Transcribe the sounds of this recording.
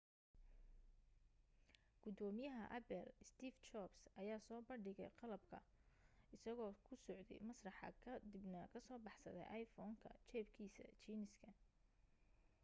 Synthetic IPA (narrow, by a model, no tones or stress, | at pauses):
ɡ̥ʊd̪ɔːmɪjɐɦɐʔɐbɛlɪst̪iːft͡ʃɔbsʔɐjaːsɔːbɐɳɖɪɣɛ̰jqɑlɐbkʰɐ̰ | ɪsɐɣɔːkʰʊsɔʕd̪ɛ̰jmɐsrɑħɑ̰kʰɐd̪ɪbnɐkʰɐsɔːbɑħsɐðɛ̰jʔɑjfɔːŋkʰɐ̰t͡ʃɛːbkʰiːsɐ̰t͡ʃiːnɪskʰɐ